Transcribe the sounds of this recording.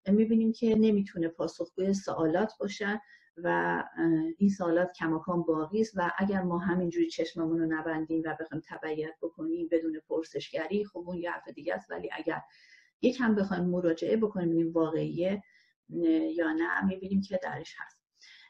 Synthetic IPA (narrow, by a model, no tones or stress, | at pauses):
miːbiːniːmcʰe̞ne̞miːt̪ʰune̞pʰɒːso̞xɡ̥uːjesoʔɒːlɒːt̪ʰbɒːʃæ | væ | insoːlɒːt̪cʰæmɒːkʰɒːmbɒːɣiːst̪væʔæɟæɾmɒːɦæmind͡ʒuːɾit͡ʃʰe̞ʃmæmunonæbænd̪iːmvæbe̞xɒːjmt̪ʰæbæijæt̪̚bo̞kʰo̞niːmbe̞d̪uːnepʰoɾse̞ʃɟæɾiːxobuːnjehæ̰ɾfe̞d̪iːɟæ̰st̪væ̰lḭːʔæ̰ɟæ̰ɾ | jecʰhæmbe̞xɒːjmːoɾɒːd͡ʒe̞ʔebo̞kʰo̞nimiːnvɒːɣe̞ije | jɒːnæ̰miːbiːniːmcʰe̞d̪æ̰ɾeʃhæ̰st̪